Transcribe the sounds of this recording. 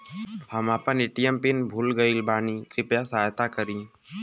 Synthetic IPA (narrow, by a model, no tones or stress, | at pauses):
həmapənɪʈijəmpɪnbʱuːlɡəilbʱaːnikɾɪpjasɦːjt̪akəɾĩː